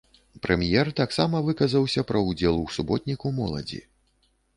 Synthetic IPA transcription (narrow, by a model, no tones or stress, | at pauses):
pɾʔɛmʲjɛrt̪aksamɐvɨkɐzɐwsʲɐpɾɐud͡zʲɛlˠuwsubɔt̪̚ʲnʲikuwmɔlˠɐ̰d͡zʲḭ